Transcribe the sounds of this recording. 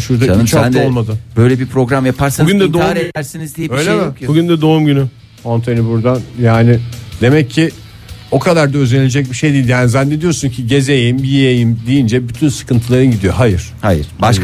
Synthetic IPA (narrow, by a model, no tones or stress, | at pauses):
ʃuɾd̪at͡ʃʰaolˠmad̪ɯbø̞jlʲebipɾo̞ɡɾamjapʰaɾsanuɡɟynd̪ɛd̪oaːɾed̪ʰæɾsinizd̪ijøjlʲemɛbbuɡynd̪ɛd̪oumɟyny | ant̪ʰenibuɾd̪anjaːnɪd̪e̞mɛcʰːɪ | o̞kʰad̪aɾd̪aøzenilʲed͡ʒɛc̚biʃejd̪ijilʲjaːnizænːed̪ijo̞ɾsuncʰiɟe̞zejimbijejimd̪ijind͡ʒɛbyt̪ʰynsɯ̥kʰɯnt̪ʰɯlˠaɾɯnɟid̪ijo̞ɦajɯɾ̥hajɯɾ̥ba